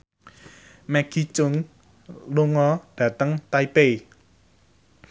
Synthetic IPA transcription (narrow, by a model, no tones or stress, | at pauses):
mɛɡ̥it͡ʃʊŋ | luŋɔɖ̥ä̤t̪əŋt̪aipe